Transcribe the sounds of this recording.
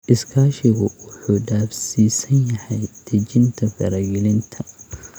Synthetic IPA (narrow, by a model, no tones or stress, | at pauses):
ʔɪskʰaːʃɪɣʊwʊħuːɖaːfsiːsɐnjɐhɛjd̪̥ʰɐt͡ʃɪnt̪ʰɐfɐɾɐɡɪlɪnt̪ʰɐ